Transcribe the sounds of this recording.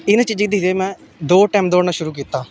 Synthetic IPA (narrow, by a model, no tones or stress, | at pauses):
ɪnãt͡ʃiːd͡ʒikd̪it̪eːmɛ̃ː | d̪oːʈɛːmd̪oːnaʃʊɾuːk̬iːt̪aː